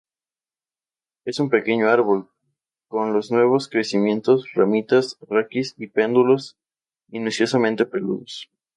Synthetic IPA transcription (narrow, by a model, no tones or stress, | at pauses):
e̞sumpe̞ke̞ɲo̞aɾβo̞l | ko̞nlo̞znwe̞β̞o̞skɾe̞simjẽ̞nt̪o̞sramit̪asrakisipe̞nd̪ulos | inusjo̞samẽ̞nt̪e̞pe̞lṵðos